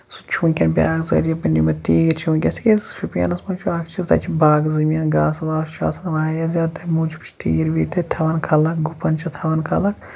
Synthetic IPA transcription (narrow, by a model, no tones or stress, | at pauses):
su̥t͡ʃʰũnkʲɐnbʲa̰ːɡzɐ̰ɾijɐpɐnʲimɐt̪iːɾt͡ʃʰukʲɐsi̥kʲesʃupjɐ̰nɐsmunt͡ʃʰuakt͡ʃʰizt̪ɐ̰t͡ʃʰibʱaːɡzɐmiɐnɡaːsʋaːʃa̰ːsɐnʋaɦɐjɐzʲaːt̪ɐmuːt͡ʃʰpʰt͡ʃʰt̪iːɾbiːt̪et̪ʰɐʋɐnkʰɐlɐkɡupɐnt͡ʃʰɐt̪ʰɐʋɐnkʰɐlɐk